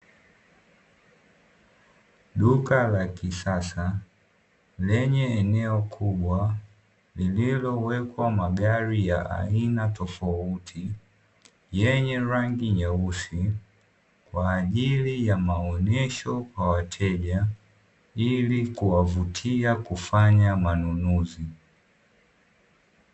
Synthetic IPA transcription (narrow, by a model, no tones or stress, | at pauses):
ɗukalakisasa | lɛɲɛːnɛɔkʰuɓwa | lililɔwɛkwamaɡaɾijaʔa̰inatɔfautʰi | jɛɲɛɾaŋɡiɲausi | kwaːʄilijamaɔnɛʃɔkwawatʰɛʄa | ilikuwavutʰiakufaɲamanunuzi